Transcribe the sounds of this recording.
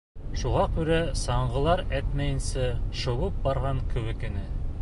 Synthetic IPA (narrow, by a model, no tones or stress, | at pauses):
ʃuʁɑkʉɾæsɑɴɢɤ̆lˠɑɾæt̪mæjɘ̆nsɘʃɤ̆wɤp̚bɑɾʁɑɴkɵ̆wɘ̆kɘ̆nɘ